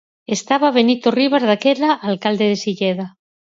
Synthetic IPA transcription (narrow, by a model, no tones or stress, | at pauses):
est̪aβaβ̞e̞nit̪oriβ̞azðakelaʔːlkald̪eð̞esiʎeða